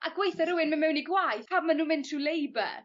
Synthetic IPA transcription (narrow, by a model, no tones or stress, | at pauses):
ʔa̰ɡwejθəɾʊwɪnmɪnmɛwniɡwajθpʰabmanuːmɪntʰrulejbə̰